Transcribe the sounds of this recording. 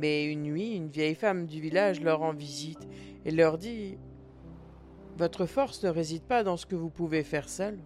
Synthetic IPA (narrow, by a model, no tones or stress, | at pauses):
mɛynːɥiynvjɛjfamd̪yvilaʒlœʁɑ̃vizit̪ | elœʁd̪i | vɔt̪χəfɔʁsnəʁezid̪̚pad̪ɑ̃sə̥kəvupuvefɛʁsœl